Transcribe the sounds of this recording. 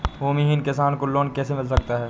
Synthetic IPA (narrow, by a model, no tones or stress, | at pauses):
ɦoːmiɦɪnkɪsaːnkoloːnkɛːsemɪlsɐkt̪aɦɛː